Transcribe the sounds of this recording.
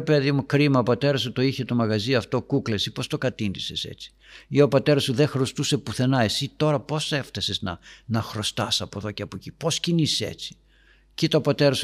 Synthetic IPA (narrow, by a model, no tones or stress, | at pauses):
peðimukɾimɐopɐt̪e̞ɾɐsut̪o̞içet̪o̞mɐɣɐziɐft̪o̞kuklesipo̞st̪o̞kɐt̪ind̪ise̞se̞̰t͡si̥io̞pɐt̪e̞ɾɐsuðexɾo̞st̪use̞puθe̞nɐe̞sit̪o̞ɾɐpo̞se̞ft̪ɐseznɐ̰nɐxɾo̞st̪ɐsɐpoðo̞ceɐpocipo̞scinisḛt͡si̥ | cit̪ɐopɐt̪e̞ɾɐsu